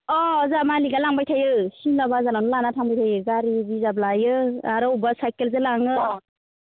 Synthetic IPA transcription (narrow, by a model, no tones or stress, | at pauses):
ɔzamaliɡalaŋbajtʰajɯsinlabazalanlanatʰaŋbajtʰajɯɡaɾibizablajɯaɾɯwbasajkelzɯlaŋɯ